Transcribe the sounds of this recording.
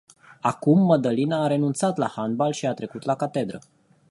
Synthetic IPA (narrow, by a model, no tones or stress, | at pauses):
akumːəd̪əlinaːɾe̞nunt̪sat̪la̰hanbalʃiat̪ɾe̞kut̪lakat̪e̞d̪ɾə